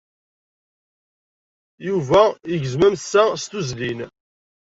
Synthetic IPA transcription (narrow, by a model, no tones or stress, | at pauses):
juvæiʝəzmæmsːæst̪uzlin